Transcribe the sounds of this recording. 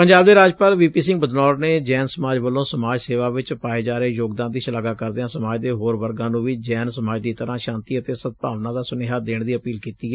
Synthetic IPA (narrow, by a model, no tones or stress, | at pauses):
pəɲd͡ʒaːbd̪eːɾaːd͡ʒpaːlʋiːpiːsɪ̃ŋɡbəd̪nɔːɾneːd͡ʒɛːnsəmaːd͡ʒʋəlːõːsəmaːd͡ʒseːʋaːʋɪt͡ʃpaːeːd͡ʒaːɾeːjoːɡd̪ãːnd̪iːʃəlaːɡaːkəɾd̪eãːsəmaːd͡ʒd̪eːɦoːɾʋəɾɡãːnũːʋiːd͡ʒɛːnsəmaːd͡ʒd̪iːt̪əɾãːʃãːnt̪iːət̪eːsət̪̚paːʋnãːd̪aːsʊneːɦaːd̪eːɳd̪iːəpiːlkiːt̪iː